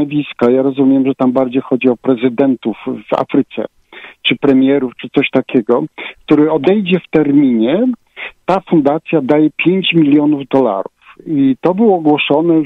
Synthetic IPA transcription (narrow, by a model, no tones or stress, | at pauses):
vʲiskajaɾɔzumʲjɛmʐɛt̪ambaɾd͡ʑejxɔd͡ʑiɔpɾɛzɘd̪ɛnt̪ufva̰fɾɘt̪sɛ̰ | t͡ʂɘpɾɛmʲjɛɾuft͡ʂɘt̪sɔɕt̪akʲɛɡɔkt̪uɾɘɔd̪ɛjd͡ʑɛft̪ɛɾmʲiɲɛ | t̪afund̪at̪sʲjad̪ajɛpʲjeɲt͡ɕmʲilʲjɔnuvd̪ɔla̰ɾufit̪ɔbɘwɔɡwɔʂɔnɛ